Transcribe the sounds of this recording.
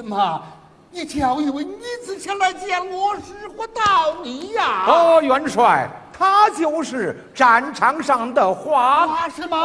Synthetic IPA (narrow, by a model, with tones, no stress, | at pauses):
mɐ˧˩ | i˧˩t͡ɕʰjɑ˨˧˩ʊi˧˩we˧˥ɪni˧˥t͡sɹ̩˧˩ɕʰjɛ˥nla˧˥ɪt͡ɕɛ˥˩nlwɔ˧˥ʂɻ̩˥xwɔ˥˧˥t̪ɑ˥˩ʊni˧˥ja˥˧ɔ˧jɥɛ˧˥nʂwa˥˧˩ɪt̪ʰa˥t͡ɕjo˥˧ʊʂɻ̩˥˩ | ʈ͡ʂa˨˩nʈ͡ʂʰɑ˧˥ŋʂɑ˥˧˩ŋd̪ə˨˩xwa˥˧ʂɻ̩˥˧˩ɐ˧